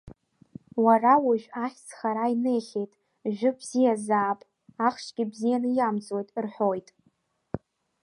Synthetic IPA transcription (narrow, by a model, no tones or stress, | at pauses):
warawaʒᶣʷaχʲsχaɾaine̞jχʲe̞jtʼ | ʒᶣʊbzijazaːpʼ | aχʃɡʲɪbzijanɨjamt͡sʼwojtʼrħo̞jtʼ